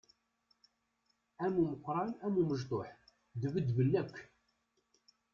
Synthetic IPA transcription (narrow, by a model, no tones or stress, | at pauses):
æmuməqːɾˤɑnæmuməʒt̪ˤoħ | ðəvəd̪vəlːækʷː